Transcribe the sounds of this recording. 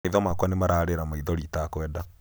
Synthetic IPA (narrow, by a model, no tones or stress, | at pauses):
eiðɔmakwanemaɾaːɾeɾamaiðɔɾitakwɛːda